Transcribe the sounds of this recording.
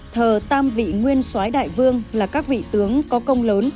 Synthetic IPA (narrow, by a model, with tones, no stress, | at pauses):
t̪ʰəː˨˩t̪aː˧mvḭ˧˨ŋwi˧ənswaː˨˦jɗa̰ː˧˨jvɨ˧əŋlaː˨˩kaː˦˥k̚vḭ˧˨t̪ɨ˨˦əŋkɔ˨˦kə˧wŋ͡mləː˨˦n